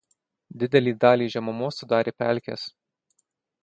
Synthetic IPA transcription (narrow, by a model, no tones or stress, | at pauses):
d̪ʲɪd̪ʲɛlʲiːd̪ɑːlʲiːʒʲɛmɐmoːsʊd̪ɑːɾʲeːpʲæ̰ˑlʲkʲḛs